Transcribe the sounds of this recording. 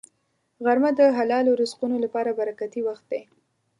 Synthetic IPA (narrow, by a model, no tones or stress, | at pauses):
ɣaɾmad̪əɦalɑloɾʊsqunolapɑɾabaɾakat̪iwaxt̪̚d̪e